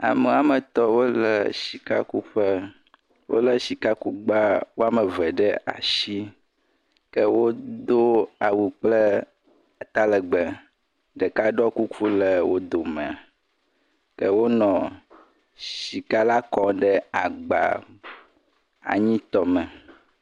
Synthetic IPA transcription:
a̰˨me˨˦a˨mə˨t̪ɔ˦wo˦lə̰˨ʃi˨ka̰˦ku˦ɸə˦ | wʔo̰˦lə˦ʃi˨ka˦ku˦ɡ͡ba˦wo˦a˦mə˨vɛ˨ɖə˦ʔa̰˨ʃi˦ | kə˦wo˦d̪o˦a˨wu˨k͡plə˦˨ | t̪a˦lə˨ɡ͡bɛ˨ | ɖə˨ka˦ɖɔ˦ku˦ku˦lə˨wo˦d̪o˨mɛ̃˨a˨ | kə˦wo˦nɔ̃˨ | ʃʃi˨ka˦la˦kɔ˨ɖɛ˦a˨ɡ͡ba̰˨ | a̰˨ɲĩ˦t̪ɔ˦mɛ̃˨

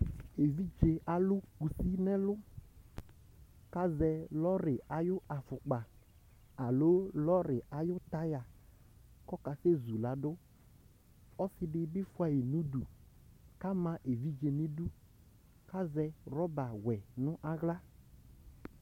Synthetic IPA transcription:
e˨vi˦d͡ʒe˨a˨lʊ˦ku˨si˦nɛ̃˦lʊ˦ | ka˦zɛ˧lɔ˦ɾɪ˨a˨jʊ˦ʔa˨fʊ˨k͡pa˨ | a˨lo˨˦lɔ˦ɾɪ˨a˨jʊ˦t̪a˦ja˨ | kɔ˦ka˨se˦zu˨la˨dʊ˦ | ɔ˦sɪ˦dɪ˦bɪ˦fʊ˦a˨jɪ˨nũ˦du˨ | ka˦mã˨ʔe˨vi˦d͡ʒe˨nɪ̃˦du˦ | ka˦zɛ˧ɾɔ˦ba˨wɛ˨nʊ̃˦ʔa˦ɣla˦

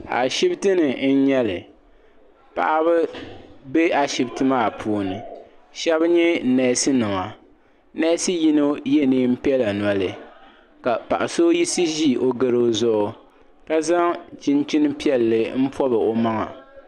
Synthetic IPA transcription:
a̰˨ʃi˦btɨ˦nɨ˨n̩˦ɲɛ˦lɨ˨ | pa̰˨ʔa˦βɨ˦be˦a˨ʃi˨btɨ˦maː˦˨pʰuː˦˨nɨ˨ | ʃɛ˦bɲɛ˦˨nɛ˨˦sɨ˦nɨ˨ŋa˨ | nɛ˦sɨ˦ji˦no˦je˦nɨ˦m̩˦pi˦ɛ˦la˨n˨a˦lɨ˨ | ka˨pa̰˨ʔa˨so˦ji˦si˦ʒi˦˨ʔo˦ɡɨ˨ɾo˦zʊ˦ʔ | ka˦za˦ŋt͡ʃi˦nt͡ʃi˦nɨ˦pi˦ɛ˨lːɨ˨m̩˦pɔ˦bɨ˨o˨ma˦ŋa̰˨

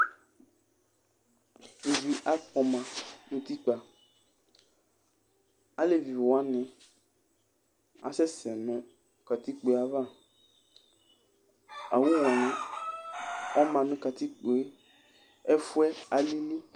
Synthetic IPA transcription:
e˨vi˨ʔa˦k͡pɔ˨mã˨nʊ̃˨t̪i˦k͡pa˨ | a˦le˦˨vi˨vwa˦nɪ̃˨ | a̰˨sɛ˦sɛ˨nʊ̃˦ | ka˨t̪i˦k͡pe˨a˨va˦˨ | a˨wũ˦wɔ˨nɪ̃˨ | ɔ˦mã˨nʊ̃˦ka˨t̪i˦k͡po˨˦ | ɛ˦fʊ˦ɛ˦a˨li˦li˦

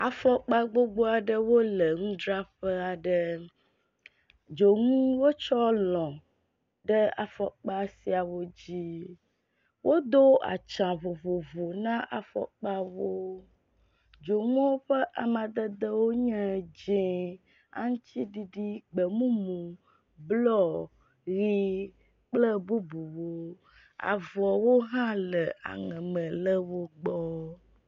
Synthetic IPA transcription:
a˨fɔ˦k͡pa˦ɡ͡bo˦ɡ͡bo˦a˨ɖə˦wo˦lə˨ŋũ˦d̪ɾa˦ɸə˦a˨ɖə˦ | d͡ʒo˨ŋũ˦wo˦t͡ʃɔ˦lɔ̃˨ | ɖə˦a̰˨fɔ˦k͡pa˦si˨a˨wo˦d͡ʑi˦ | wʔo˦d̪o˦a̰˨t͡ʃã˨vo˨vo˨vo˨nã˦ʔa˨fɔ̰˦k͡pa˦wo˦ | d͡ʒo˨ŋ˦ɔ̃˦wo˦ɸə˦ʔa˨mã˨d̪ə˦d̪ə˦wo˦ɲɛ̃˦d͡ʒẽ˨ | a̰˦ŋũ˦ti˦ɖi˦ɖi˦ɡ͡bə˨mũ˦mũ˨ | blɔ˦ | ɣi˦ | k͡plə˦bu˦bu˨wo˦ | a̰˨vɔ˨wo˦ɦã˦lə˨a̰˨ŋɛ̃˨mɛ̃˨lə˦wo˦ɡ͡bɔ˦

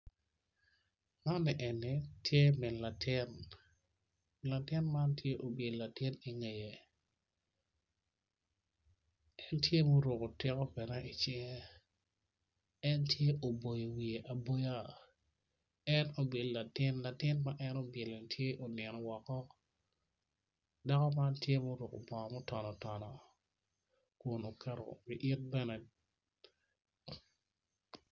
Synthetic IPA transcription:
ma˦nːɛ˨ʔɛ˨nːi˨tje˦mɪ˨nla˨tʰɪ˦n | la˨tɪ˦nma˦ntje˦ʔo˨be˨dla˨tɪ˦ni˨ŋe˨je˨ | ɛ˦ntje˦mo˦ɾo˨ko˨tɪ˦kɔ˦pɛ˨nɛ˦ɪ˨t͡ʃɪ˦ŋ˦ | ɛ˦ntje˦ʔo˨bo˨jo˨wi˨e˨ʔa˨bo˦ja˦ | ɛ˦no˨bɪ˨lla˨tɪ˦nla˨tɪ˦nma˦ʔɛ˦no˦be˨lo˨tʰje˦ʔo˨nɛ˨nɔ˨wɔ˨kɔ˦ | da˦kɔ˦ma˦ntje˦mo˦ɾʊ˨ko̰˨bɔ˨mɔ˦tɔ˨nɔ˨tɔ˨nɔ˨ | kʊ˨no˨kɛ˦ɾɔ̰˨bɪ˨ʔɪ˦t̚bɛ˦nɛ˨

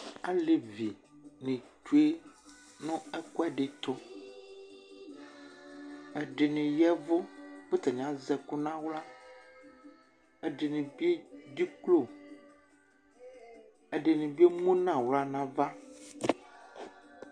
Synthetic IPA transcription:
a˦le˨vi˨ | nẽ˨tu˦e˦ | nɔ̃˦ɛ˦kɔ˦ɛ˦ɖe˨t̪o˦ | ɛ˨ɖe˨nẽ˨jɛ˦vo˦be˦t̪e˨ɲ˨ã˦zɛ˨ku˦nã˦wla˦ | e˦ɖe˨nẽ˨bi˦e˦ɖi˦klo˦˨ | e˨ɖe˨nẽ˨bi˦e˦mũ˦nã˨wla˦nã˦va˦

